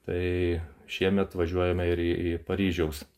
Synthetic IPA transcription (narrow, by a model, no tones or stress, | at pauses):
t̪ɐɪʃʲiɛmʲɛt̪ʋɐʒʲuɔjɛmɐɪɾiːipɐɾʲiːʒʲɛʊs